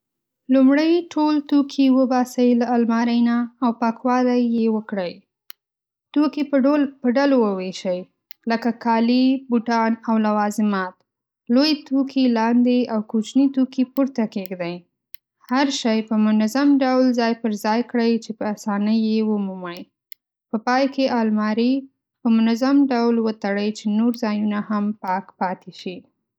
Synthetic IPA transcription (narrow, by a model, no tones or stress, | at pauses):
lumɽəjʈʰolt̪okʰiwəbɑsəjlaːlmɑɾəjnaːwpakwɑlajːewəkɽəj | t̪okipəɖalowəweʃəj | ləkakʰɑlibuʈɑnawlawɑzɪmɑt̪ | lojet̪okʰilɑnd̪eawkut͡ʃnit̪okipuɾt̪akeɡd̪aj | haɾʃɑjpəmʊnazamɖawlzɑjpəɾzɑjkɽəjt͡ʃepəasɑnəjːewəmumaj | pəpɑjkeʔɑlmɑɾi | pəmʊnazamɖawlwət̪aɽəjt͡ʃenoɾzɑjunahampɑkpɑt̪ʰeʃi